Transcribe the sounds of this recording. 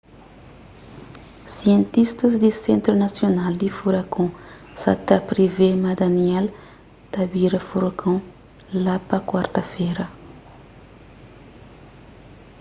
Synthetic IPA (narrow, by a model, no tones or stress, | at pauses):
siẽnt̪ist̪ɐzd̪isẽnt̪ɾunasjonald̪ifuɾakʰõ | sa̰t̪apɾivemad̪aniɛl | t̪ɐbiɾɐfuɾakʰõ | lapɐkwaɾt̪ɐfeɾɐ